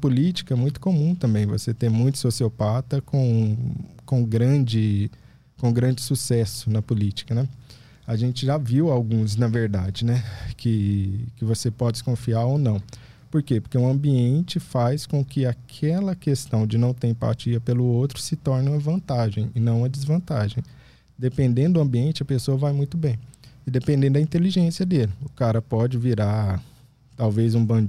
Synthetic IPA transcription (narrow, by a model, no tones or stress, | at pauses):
pulit͡ʃi̥kɐɛmũj̃t̪ʊ̥komũt̪ɐ̃mbẽj̃vo̰set̪ẽj̃mũj̃t̪ʊ̥sosiopat̪ɐkõ | kõɡɾɐ̃d͡ʒɪ | kõɡɾɐ̃nd͡ʒɪsusɛsʊ̥nɐpulit͡ʃi̥kɐnɛ | aʒẽnt͡ʃɪʒaviwawɡũz̬nɐveɾd̪a̰d͡ʒɪnɛkʰɪkɪvosepɔd͡ʒɪskõfiaɾownɐ̃w̃ | poɾkepoɾkeũɐ̃mbiẽnt͡ʃɪfajskõkɪakʰɛlɐkest̪ɐ̃w̃d͡ʒɪnɐ̃w̃t̪eɾẽpa̰t͡ʃiɐpelʊowt̪ɾʊsɪt̪ɔɾnɪũɐvɐ̃nt̪aʒẽj̃ɪnɐ̃w̃ɐd͡ʒɪzvɐ̃nt̪aʒẽj̃ | d̪epẽnd̪ẽnd̪ʊd̪ʊɐ̃mbiẽnt͡ʃɪɐpesoɐvajmũj̃t̪ʊbẽj̃ɪd̪epẽnd̪ẽnd̪ʊd̪ɐĩnt̪eliʒẽsiɐd̪elɪʊkaɾɐpɔd͡ʒɪviɾa | t̪awvezũbɐ̃